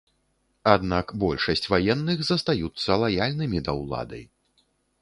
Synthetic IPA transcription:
ad̪nakbɔlʲʂɐsʲt͡sʲvajɛnːɨxzɐst̪ajut̪sːɐlˠajalʲnɨmʲid̪ɐwlˠa̰d̪ɐ̰j

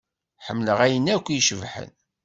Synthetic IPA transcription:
ħəmːləʁæjənːækʷːiʃəvħə̰n

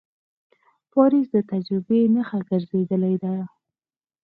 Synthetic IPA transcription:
pɑɾisd̪ət̪ad͡ʒɾɪbenəxaɡəɾzed̪əlajd̪a

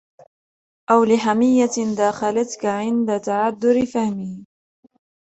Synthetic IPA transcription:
ʔawlɪħamɪjːatɪnd̪aːxalat̪kaʕɪnd̪at̪aʕad̪ːʊɾɪfahmiː

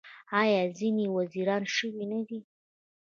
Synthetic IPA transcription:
ɑjɑzinewaziɾɑnʃəwinad̪i

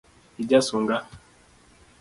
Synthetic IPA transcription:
iɟasuŋɡa

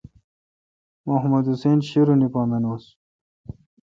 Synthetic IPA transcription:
moɦmɐd̪useːnɕiɾunipaːmenos

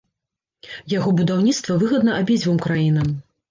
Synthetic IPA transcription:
jaɣɔbud̪awnʲit̪st̪vɐvɨɣɐd̪nɐʔabʲid͡zʲvɨmkɾajinɐm

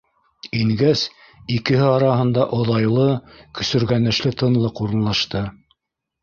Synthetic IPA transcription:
iŋɡæs | ikɘ̆hɘɑɾɑɦɤ̆nd̪ɑʔŏðɑjlˠɤkɵ̆sɵ̆ɾɡænɘ̆ʃlɘt̪ɤ̆nlˠɤquɾɤ̆nlˠɑʃt̪ɤ

